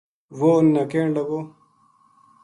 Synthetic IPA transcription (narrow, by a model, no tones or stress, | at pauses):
woːnːɐkeːɳɖɐɡo